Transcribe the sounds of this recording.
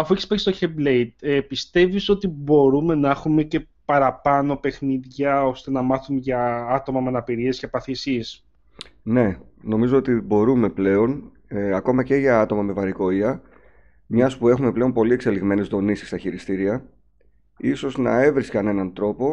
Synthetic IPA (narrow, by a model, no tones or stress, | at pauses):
ɐfueçispeçist̪oçeblejt̪̚epist̪e̞viso̞t̪ibo̞ɾume̞nɐexume̞ce̞ | pɐɾɐpɐno̞pe̞xniðʝɐo̞st̪e̞nɐmɐθumeʝɐɐt̪o̞mɐmeɐnɐpiɾie̞scepɐθisies | ne̞ | no̞mizo̞ot̪ibo̞ɾume̞ple̞o̞n | eɐko̞mɐceʝɐɐt̪o̞mɐmevɐɾiko̞iɐ | mɲɐspue̞xume̞ple̞o̞npo̞lie̞kse̞liɣme̞ne̞zðo̞nisi̥st̪ɐçiɾist̪iɾiɐ | iso̞znɐe̞vɾiskɐne̞nɐnt̪ɾo̞po̞